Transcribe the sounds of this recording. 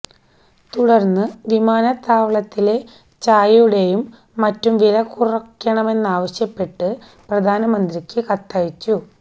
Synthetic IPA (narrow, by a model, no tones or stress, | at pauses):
t̪uɽɐrnːɨʋimaːnɐt̪ːaːʋɐɭɐt̪ːile̞ | t͡ɕaːjuɽe̞jumː | ɐtːumʋilɐkurɐkːɐɳɐme̞nːaːʋɐɕjɐpːe̞ʈːɨ | prɐd̪ʱaːnɐmɐnd̪rikʲːɨkɐt̪ːajit͡ɕːu